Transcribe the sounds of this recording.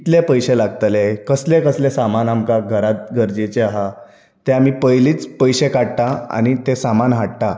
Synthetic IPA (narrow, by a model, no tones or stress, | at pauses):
it̪lepəjɕelaɡt̪lekəslekəslesamanamkaɡʱəɾat̪̚ɡʱəɾd͡ʑet͡ɕeaɦa | t̪eam̤ipəjliːt͡spəjɕekaɽt̪aa̰ñit̪esamanɦaɽt̪a